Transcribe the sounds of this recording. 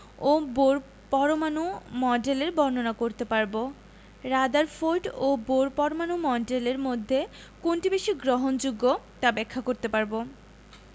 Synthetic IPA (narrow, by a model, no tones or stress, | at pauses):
oboɾ | pɔɾomanumɔɖeleɾbʱɔɾnonakoɾt̪epaɾbo | ɾad̪aɾfoʈoboɾpɔɾomanumɔɖeleɾmod̪ʱːe | konʈibeʃiɡɾoɦond͡ʑuɡːo | ʈabɛkʰːakoɾt̪epaɾbo